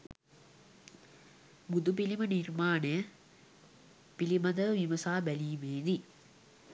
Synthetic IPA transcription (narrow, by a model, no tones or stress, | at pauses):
bud̪upilimɐniɾmaːne | pilimɐd̪ɐʋimɐsaːbɐliːmeːd̪i